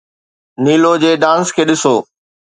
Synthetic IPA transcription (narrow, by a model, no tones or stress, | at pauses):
niːlod͡ʑeːɖãːnskʰeːɗɪsoː